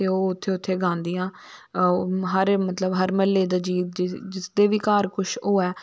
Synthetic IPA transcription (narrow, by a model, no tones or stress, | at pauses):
eoːʊt̪ʰːeːʊt̪ʰːeːɡʱãːnd̪ijãː | ɦəɾmət̪ləbɦəɾməlːeːd̪aːd͡ʒiːd͡ʒɪsd̪eːʋiːkaːɾkʊʃʰoːɛː